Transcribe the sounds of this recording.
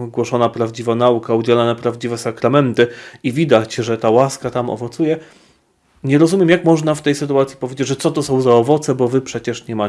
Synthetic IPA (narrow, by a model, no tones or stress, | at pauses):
ɡwɔʂɔnapɾavd͡ʑivanaukaud͡ʑɛlanɛpɾavd͡ʑivɛsakɾamɛnt̪ɘivʲid̪at͡ɕʐɛt̪awaskat̪amɔ̰vɔt̪sujɛ | ɲɛɾɔzumʲjɛmjakmɔʐnaft̪ɛjsɘt̪uat̪sʲipɔvʲed͡ʑed͡ʑʐɛt̪sɔt̪ɔsɔ̃w̃zaɔvɔt̪sɛbɔvɘpʂɛt͡ɕɛʂɲɛma